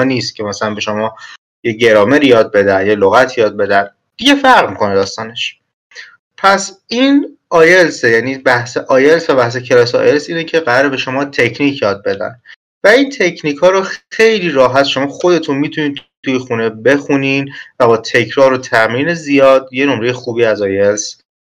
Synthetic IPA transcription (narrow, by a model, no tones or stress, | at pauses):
niːst̪̚cʰe̞mæsælænbe̞ʃo̞mɒː | jeɟe̞ɾɒːmeɾijɒːd̪̚be̞d̪ænjeloɣæt̪ʰijɒːd̪̚be̞d̪æn | d̪̥iɟefæɾʁmikʰo̞ned̪ɒːst̪ɒːne̞ʃ | pʰæsin | ɒːjelsejæniːbæhseʔɒːjelsvæbæhs̬e̞cʰe̞lɒːseɒ̰ːjelsiːnecʰe̞ɣæɾɒːɾebe̞ʃo̞mɒːt̪ʰe̞cʰniːcʰjɒːd̪̚be̞d̪æ̰n | væiːnt̪ʰe̞cʰniːkʰɒːɾoxe̞jliːɾɒːɦæt̪ʃo̞mɒːxo̞d̪e̞t̪ʰunmit̪ʰuniːt̪ʰujexunebe̞xuninvæbɒːt̪ʰe̞cʰɾɒːɾot̪ʰæmɾiːnezijɒːd̪̥je̞nomɾe̞jexuːbiːæzɒjels